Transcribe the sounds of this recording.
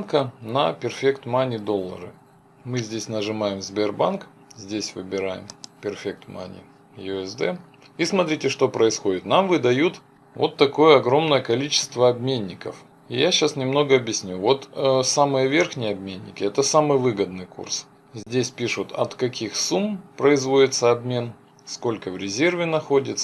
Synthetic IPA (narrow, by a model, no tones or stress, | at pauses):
nkənɐpʲɪrfʲekt̪manʲɪd̪o̞lˠːə̰ɾɨ̰ | mɨzʲdʲesʲnəʐɨmajɪmzbʲerbank | zʲdʲesʲvɨ̰bʲɪɾajɪ̰mpʲɪrfʲek̚t̪ma̰nʲɪ̰ | jʊɛzd̪ɛ | ismɐt̪ɾʲitʲɪʂt̪o̞pɾəɪsxodʲɪt̪namvɨd̪ɐjut̪ | vo̞̰t̪ːɐko̞jəɐɡɾo̞mnəjəkɐlʲit͡ɕɪ̥st̪vəɐbmʲenʲːɪkəf | ɪjaɕasnʲɪmno̞ɡəɐbjɪsʲnʲuvo̞t̪samɨjəvʲerxnʲɪjəɐbmʲenʲːɪ̰kʲɪɛt̪əsamɨjvɨɡəd̪nɨjkṵrs | zʲdʲesʲpʲiʂʊt̪ɐ̰t̪kɐkʲixsumpɾəɪzvo̞dʲɪt̪səɐbmʲe̞n | sko̞lʲkəvɾʲɪzʲe̞rvʲɪnɐxo̞dʲɪt̪sə̥